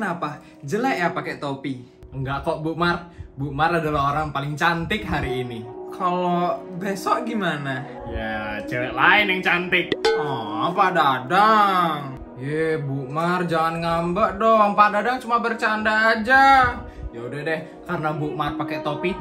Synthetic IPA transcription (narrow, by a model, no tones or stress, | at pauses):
kənapa | d͡ʒəlajapakɛt̪opi | əŋɡaʔk̪ɔʔbuʔmarbuʔmaradalaɦoɾaŋpalɪŋt͡ʃant̪ɪk̚ɦaɾiːnikʰalobesɔʔɡimana | jat͡ʃəɾɛʔlaɪnjəŋt͡ʃant̪ɪk̚ɔpadadaŋ | jɛbumard͡ʒaŋanŋambəʔdɔŋpadadaŋt͡ʃumabərt͡ʃandaːd͡ʒajaudɛhdɛh | karnabuʔmarpakɛt̪opi